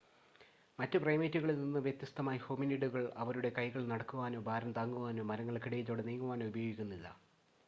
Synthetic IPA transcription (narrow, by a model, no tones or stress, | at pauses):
mɐtːɨprɐjmeːtːuɣɐɭilninːɨʋjet̪jɐst̪ɐmaːjɐhoːminiɖuɣɐɭɐʋɐɾuɽe̞kɐjɣɐɭnɐɽɐkːuʋaːno̞ːbʱaːɾɐmt̪aːŋːuʋaːnoːmɐɾɐŋːɐɭkiɽɐjit͡ɕːo̞ːɽeniːŋːuʋaːnoːubɐjoːɡikʲːunːilːɐ̰